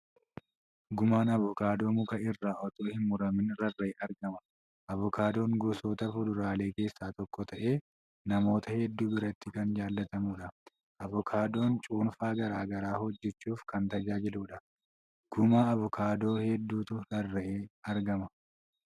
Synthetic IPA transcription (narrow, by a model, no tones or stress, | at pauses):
ɡʊmaːnɐβʊkaːd̪o̞ːmʊkɐɪrːaːʔɔt̪o̞ːhɪnmːʊɾɐmɪnɾɐrːɐeːɐɾɡɐmɐ̥ | ʔɐβʊkaːd̪o̞ːŋɡʊsoːt̪ɐfʊd̪ʊɾaːle̞ːke̞ːsːaːt̪ɔkːɔt̪ɐʔe̞ː | nɐmo̞ːt̪ɐhɛd̪ːuːbɪɾɐt̪ːɪkɐnd͡ʒaːlːɐt̪ɐmuːᶑɐ | ʔɐβʊkʰaːd̪o̞ːnt͡ʃʼuːnfaːɡɐɾaːɡɐɾaːhɔd͡ʒːɛt͡ʃːuːfkɐnt̪ɐd͡ʒaːd͡ʒɪluːᶑɐ | ɡ̥ʊmaːɐβʊkʰaːd̪o̞ːhɛd̪ːuːt̪ʊɾɐrːɐʔeːɐɾɡɐmɐ